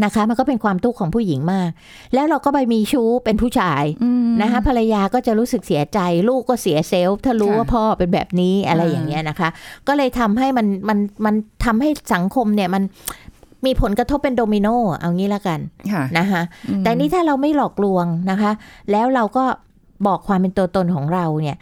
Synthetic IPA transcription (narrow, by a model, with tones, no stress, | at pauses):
na˦˥kʰa˦˥ʔma˧nkɔː˥˩pe˧nkʰwaː˧mt̪u˥˩kʰːɔː˩˦ŋpʰuː˥˩ji˩˦ŋmaː˥˩k̚ | lɛː˦˥wɾa˧wkɔː˥˩ba˧jmiː˧t͡ɕʰuː˦˥pe˧npʰuː˥˩t͡ɕʰaː˧jna˦˥kʰa˦˥pʰa˧ɾa˧jaː˧kɔː˥˩t͡ɕa˨˩ɾuː˦˥sɯ˨˩k̚si˨˩˦ɐt͡ɕa˧jluː˥˩k̚kːɔː˥˩si˩˦ɐse˦˥wt̪ʰaː˥˩ɾuː˦˥waː˥˩pʰɔː˥˩pe˧nbɛ̰ː˨˩p̚niː˦˥ʔa˧ɾa˧jːa̰˨˩ŋːi˦˥ɐna˦˥kʰa˦˥kɔː˥˩lɤː˧jt̪ʰa˧mɦa˥˩jma˧nma˧nma˧nt̪ʰa˧mha˥˩jsa˩˦ŋkʰo˧mni˥˩əma˧n | miː˧pʰo˨˩˦nkɾa˧t̪ʰo˦˥pːe˧ndoː˧mi˧noː˥˩ʔa̰˧wŋiː˦˥la˦˥˩ka˧nʰna˦˥kʰa˦˥ʔt̪ɛː˨˩niː˦˥˩t̪ʰaː˥˩ɾa˧wma˥˩jlɔː˨˩k̚lu˧əŋna˦˥kʰa˦˥ʔlɛː˦˥wɾa˧wkɔː˥˩ | bɔː˨˩kʰwaː˧mpe˧nt̪u˧ət̪o˧nkʰɔː˩˦ŋɾa˧wni˥˩ɐ